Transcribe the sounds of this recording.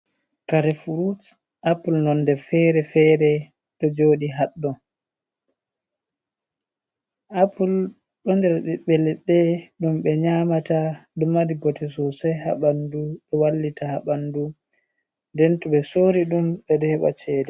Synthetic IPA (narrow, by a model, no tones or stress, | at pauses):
kaɾɛfuɾus | ʔapulnɔndɛfɛɾɛfɛɾɛ | ɗɔd͡ʒoːɗiɦaɗːɔn | ʔapul | ɗɔndɛɾɗɛɓɛlɛɓɛɗumɓɛɲaːmataɗumːadiɡɔtɛs̬ɔsɔjɦa̰ɓanduɓɛwalːitahaɓandu | ndɛntuɓɛsoːɾiɗumɓɛɗɔhɛɓa̰t͡ʃɛːdɛ